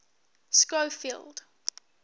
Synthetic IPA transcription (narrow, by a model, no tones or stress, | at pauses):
skofilˠd̥